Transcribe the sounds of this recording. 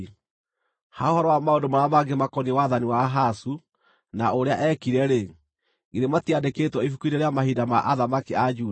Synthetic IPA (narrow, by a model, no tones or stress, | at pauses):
haohɔɾɔwamaondomaɾamaɡemakɔniwaðaniwaɦasu | naoɾeaʔɛkiɾɛɾe | ɡiɾematiadeketwɔifukuiɾeɾeamahidamaʔaðamakiad͡ʒuː